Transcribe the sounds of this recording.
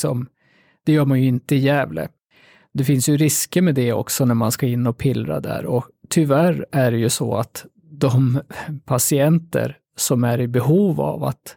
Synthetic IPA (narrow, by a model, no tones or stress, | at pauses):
sɔm | d̪̥ɛjœːɾmanjɵɪnt̪əɪjɛːvlə̰ | d̪ɛfɪnsjɵɾɪskəmɛd̪ɛɔ̰ksɔnæɾmanskaɪnːɔpʰɪlːɾa̰d̪æ̰ɾɔt̪ʰʏvæɾæɖɛjɵsɔ̰a̰t̪ | d̪ɔmpʰasɪɛnt̪ə̰ɾ | sɔmæɾɪbɛɦuːva̰va̰t̪